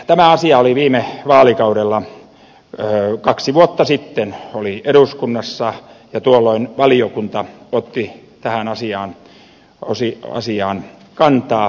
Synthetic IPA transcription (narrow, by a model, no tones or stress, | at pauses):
t̪æmæɑsiɑoliʋiːmeʋɑːlikɑuɾelːɑ | kɑksiʋuot̪ːɑsit̪ːenolieɾuskunːɑsːɑjɑt̪uolːoinʋɑliokunt̪ɑot̪ːit̪æhænɑsiɑːn | osiɑ̰siɑːn | kɑnt̪ɑː